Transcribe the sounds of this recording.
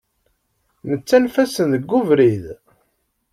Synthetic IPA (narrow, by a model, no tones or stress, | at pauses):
nət͡sːænfæsənðəɡːuvɾið